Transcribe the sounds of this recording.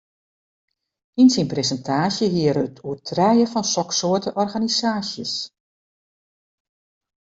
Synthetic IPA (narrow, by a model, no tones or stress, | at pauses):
insinpresəntʰaːsjəɦiəɾəətʰuətʰrɛjəfɔnsɔksoətəʔɔrɣanisaːsjəs